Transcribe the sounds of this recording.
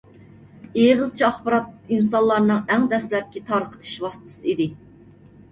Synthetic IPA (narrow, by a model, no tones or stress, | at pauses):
eʁɨzt͡ʃʰiɑχbɨɾɑt̪̚ins̬ɑnlːˠɑɾnɨŋæŋd̪ɛslɛp̚kʲit̪ʰɑɾqʰə̥t̪ʰɨ̥ʃwɑst̪ʰɨ̥sɨid̪ɪ